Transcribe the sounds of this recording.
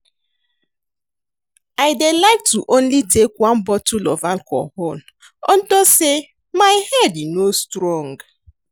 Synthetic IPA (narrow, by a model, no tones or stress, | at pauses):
aɪdelaɪk̚tuʔõnlitʰekwãnbɔtulɔ̰valkʰɔ̰hon | ɔ̃ntose | maɪhɛdinostɾɔ̃ŋɡ